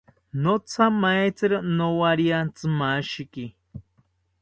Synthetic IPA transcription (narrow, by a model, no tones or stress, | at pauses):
not͡sʰamaet͡sɨɾɨnowaɾiant͡sɨmaʃiki